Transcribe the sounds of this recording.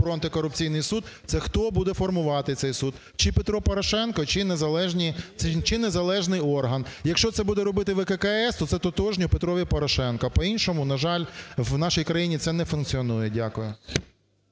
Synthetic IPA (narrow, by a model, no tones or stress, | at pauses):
pɾɔɐnt̪ɪkɔɾʊp̚t͡sʲijnɪjsud̪̚t̪sɛxt̪ɔbud̪ɛfɔrmʊʋɑt̪ɪt̪sɛjsud̪ | t͡ʃɪpet̪ɾɔpɔɾɐʃɛnkɔt͡ʃɪnezɐlˠɛʒnʲit͡ʃɪnezɐlˠɛʒnɪjɔrɦɐnjɐkʃt͡ʃɔt̪sɛbud̪ɛɾɔbɪt̪ɪʋekekɐɛst̪ɔt̪sɛt̪ɔt̪ɔʒnʲʊpet̪ɾɔʋʲipɔɾɔʃɛnkɐpɔinʲʃɔmʊnɐʒɑlʲwnɑʃijkɾɐjinʲit̪sɛnɛfʊnkt͡sʲiɔnujɛdʲakʊjʊ